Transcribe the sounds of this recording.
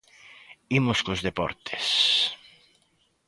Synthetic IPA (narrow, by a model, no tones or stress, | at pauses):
imʊskozðepɔ̰ɾt̪e̥s